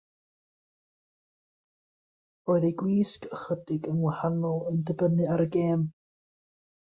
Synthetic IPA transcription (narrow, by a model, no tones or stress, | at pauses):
oːɨðejɡwiːskəχədɪɡənwahanɔlˠəndəbənɨaɾəɡeːm